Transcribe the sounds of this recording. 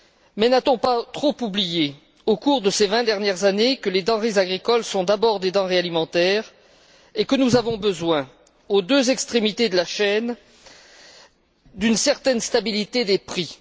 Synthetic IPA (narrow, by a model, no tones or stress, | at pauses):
mɛnat̪ɔ̃pat̪χopublije | okuʁd̪əsevɛ̃d̪ɛʁnjɛʁzanekəled̪ɑ̃ʁezaɡʁikɔlsɔ̃d̪abɔʁd̪ed̪ɑ̃ʁealimɑ̃t̪ɛːʁ | ekənuzavɔ̃bəzwɛ̃ | od̪øzɛkst̪χemit̪ed̪əlaʃɛn | d̪ynsɛʁt̪ɛnst̪abilit̪ed̪epχi